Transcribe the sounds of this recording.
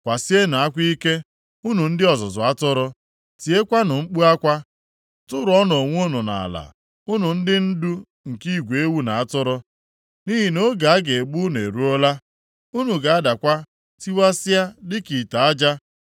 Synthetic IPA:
kʷa˨si˦e˦na˨a˦kʷi˦ke˦ | u˦nu˨n̩˦dɪ˦ɔ˨zʊ˨zʊ˨a˦tʊ˦ɾʊ˦ | ti˨e˦kʷa˦nʊ˨ŋ͡m̩˦k͡pu˦a˦kʷa˦ | tʊ˦ɾʊ˨ɔ˦no˨ŋʷ˦u˦nʊ˨na̰˨la̰˨ | ʊ˦nʊ˨n̩˦dɪ˦n̩˦du˦ | ŋ̩˨ki˦˨ɡʷe˦wu˦na˨a˦tʊ˦ɾʊ˦ | ni˦ɦi˨no˦ɡa˨a˦ɡe˨e˨ɡ͡bu˦n˨e˨ɾu˦o˦la˦ | u˦nu˨ɡa˨a˦da˨kʷa˦ | ti˦wa˦sɪ˦a˦dɪ˦ki˨ta˨a˦d͡ʒa˦

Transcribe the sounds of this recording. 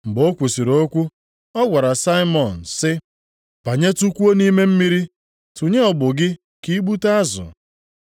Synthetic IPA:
m̩˨bo˦kʷu˨si˨ɾo˦kʷu˦ | ɔ˦ɡʷa˨ɾa˨sa˦ɪ˦mɔ˨n̩˨sɪ˦ | pa˨ɲe˦tu˦kʷu˦o˦ni˦me˦m̩˦mi˦ɾi˦ | tu˨ɲe˦ɔ˨bʊ˨ɡɪ˦ | ki˦ɡ͡bu˦ta˦a˦zʊ̰˨

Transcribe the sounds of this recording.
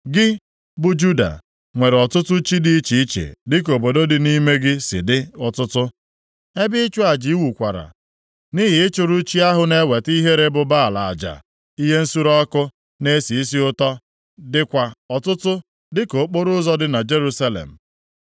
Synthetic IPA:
ɡɪ˦ | bʊ˨d͡ʒu˦da̰˨ | ŋʷe˨ɾɔ˨tʊ˦tʊ˦t͡ʃi˦di˦t͡ʃi˨i˦t͡ʃḛ˨dɪ˦k̬o˨bo˨do˦dɪ˨ni˦me˦ɡɪ˦sɪ̰˨dɪ˦ɔ˨tʊ˦tʊ˦ | e˦bɪ˦t͡ʃu˦a˨d͡ʒi˨i˦wu˨kʷa˨ɾa̰˨ | ni˦ɦɪ˨ɪ˦t͡ʃʊ˨ɾʊ˦t͡ʃi˦a˦ɦʊ˨˦ne˦we˨ti˦ɦe˦ɾe˦bʊ˦ba˦˨la˨a̰˨d͡ʒa̰˨ | i˦ɦe˦n̩˦su˦ɾɔ˦kʊ˦ | ne˦si˨i˦si˦ʊ˦tɔ˦ | dɪ˦kʷa˨ɔ˨tʊ˦tʊ˦ | dɪ˦ko˨˦k͡po˦ɾʊ˦zɔ˦dɪ˦na˨d͡ʒe˦ɾu˦sa˦lḛ˨m̩˨

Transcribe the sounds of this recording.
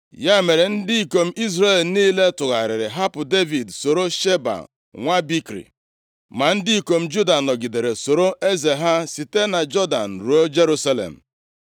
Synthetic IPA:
ja˦me˨ɾe˨n̩˦dɪ˦i˨ko˨m̩˦i˦zre˦˨lniː˦le˦tʊ˨ɣa˨ɾɪ˨ɾɪ˨ɦa˦pʊ˨de˦vi˨dso˨ɾo˦ʃe˦ba̰˨ | ŋʷa˦bi˦kɾḭ˨ | ma˨n̩˦dɪ˦i˨ko˨m̩˦d͡ʒu˦da˨nɔ˨ɡi˨de˨ɾe˨so˨ɾo˦ʔe˦ze˨ɦa˦si˨te˦na˨d͡ʒɔ˦da̰˨n̩˨ɾu˨o˦d͡ʒe˦ɾu˦sa˦lḛ˨m̩˨

